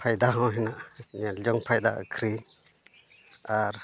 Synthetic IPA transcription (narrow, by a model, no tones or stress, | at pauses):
pʰajd̪aɦãwɦɛnaʔɲald͡ʒɔŋpʰajd̪a̰ʔkʰɾi | aɾ